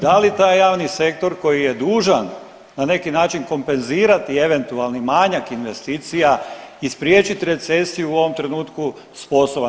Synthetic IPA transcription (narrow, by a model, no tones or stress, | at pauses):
d̪alit̪aːjːaːʋnise̞kt̪o̞ɾko̞jije̞d̪uːʒan | nane̞kinaːt͡ʃinko̞mpe̞nziːɾat̪ie̞ʋe̞nt̪ualˠnimaɲakinʋe̞st̪iːt̪sijaispɾjeːt͡ʃit̪iɾe̞t̪se̞sijuuo̞ʋo̞mt̪ɾe̞nuːt̪ku | spo̞sob